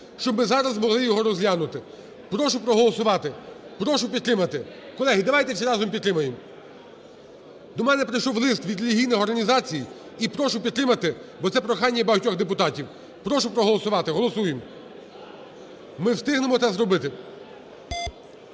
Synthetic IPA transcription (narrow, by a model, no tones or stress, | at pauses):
ʃt͡ʃɔbmɪzɑɾɐzmɔɦlˠɪjɔɦɔɾɔzlʲanʊt̪ɪ | pɾɔʃʊpɾɔɦɔlˠɔsʊʋɑt̪ɪpɾɔʃʊpʲid̪̚t̪ɾɪmɐt̪ɪkɔlˠɛɦid̪ɐʋɑjt̪ɛwsʲɛɾɑzɔmpʲid̪t̪ɾɪmɐjem | d̪ɔmɛnɛpɾɪjʃɔwlˠɪst̪ʋʲid̪ɾʲelʲiɦʲijnɪxɔrɦɐnʲizɑt͡sʲiji | ipɾɔʃʊpʲid̪t̪ɾɪmɐt̪ɪbɔt̪sɛpɾɔxɑnʲːɐbɐɦɐtʲɔɣd̪epʊt̪ɑtʲiw | pɾɔʃʊpɾɔɦɔlˠɔsʊʋɑt̪ɪɦɔlˠɔsujem | mɪwst̪ɪɦnemɔt̪ɛzɾɔbɪt̪ɪ